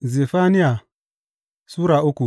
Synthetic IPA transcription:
ze˨fa˦ni˦a˨ | su˦ɾa˨u˦ku˨

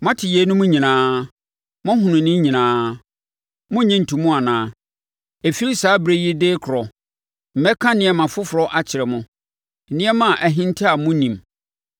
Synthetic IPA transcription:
mã˦tʰɪ˨jɛ˨˦nʊ̃˦mʊ̃˦ɲĩ˨nãː˦ | mʊ̃˦ɦʊ̃˨nʊ̃˨nɪ̃˦ɲĩ˨nãː˦ | mʊ̃˦ɲĩ˦n̩˨tʰu˨mʊ̃˦a˨nãː˦ | e˨fi˦li˦saː˨˦bɾe˦jɛ˦deː˦kʰʊ˨ɾɔ˨ | m̩˨˦ɛ˦kʰã˦nɪ̃˦ɛ˨mã˨fʊ˦fʊ˨ɾɔ˦ʔa˦t͡ɕʰɪ˨ɾɛ˨mʊ̃˦˨ | nɪ̃˦ɛ˦mã˦˨ʔæ˨ɦɪ̃˦n˦tʰɪ˦a˨mʊ̃˦nĩ˨m

